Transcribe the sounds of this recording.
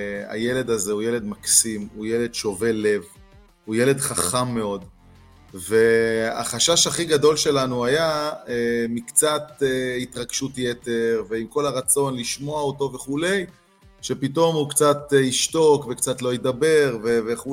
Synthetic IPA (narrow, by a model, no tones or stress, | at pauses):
a̰je̞le̞dazeujele̞d̪maksimujele̞d̪ʃo̞ve̞le̞v | uje̞le̞dχaχamːe̞o̞d | ve̞a̰χaʃaʃaχiɡado̞lʃe̞lanuajaemikt͡sat̪eitʁaɡʃutjete̞ʁve̞imko̞laʁat͡so̞nliʃmo̞aoto̞ve̞χule̞j | ʃe̞pito̞mhukt͡sat̪iʃto̞kvekt͡satlo̞ied̪abe̞ʁve̞veχu